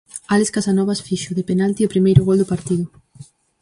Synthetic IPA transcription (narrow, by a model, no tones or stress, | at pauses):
aleskasanɔβasfiʃʊðepenalt̪iopɾimejɾʊɣɔld̪ʊpaɾt̪iðʊ